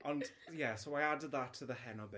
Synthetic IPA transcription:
ʔə̃n | jɛsoʊajadəd̪ðatʰːəðəɦɛnɔbɪ

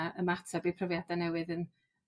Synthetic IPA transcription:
əmatʰabipʰrəvjadanɛwɨðən

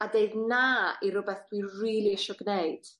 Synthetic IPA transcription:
adeɨdnaiɾʊbɛθd̥wiriːlˠiɛʃɔɡneɨd̥

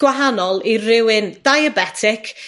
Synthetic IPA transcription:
ɡ̥waɦanɔlˠirɪwɪnd̥ajəbɛtʰɪkʰ

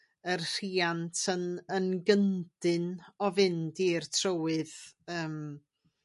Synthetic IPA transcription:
ərr̥iːantʰənənɡənd̥ɨnɔvɪndirtʰrəwɨðəːm

